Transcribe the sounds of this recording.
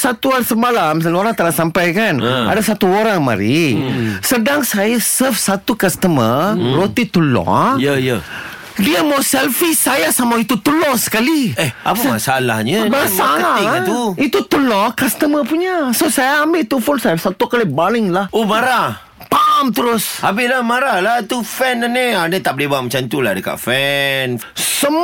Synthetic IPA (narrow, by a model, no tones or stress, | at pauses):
sat̪uaɾisəmalams̬aloɾaŋt̪əɾasampajkana̰dasat̪uoɾaŋma̰ɾi | sədaŋsajasəfsat̪ukast̪əməɾot̪it̪ulɔ̰̃jəjə | diəmawsɛlfisajasamait̪ut̪ulɔsə̥kaliɛhapəmasalahɲəbaasaalat̪uit̪ut̪ulɔkast̪əməpuɲasosajaːmbɪt̪ufonsajafsat̪ukalibalɪŋlahomaɾa | paːmt̪əɾʊsabɪlahmaɾalat̪ufɛnənianət̪ap̚lebaʔmat͡ʃant̪ulahdəka̰ʔfɛnsəm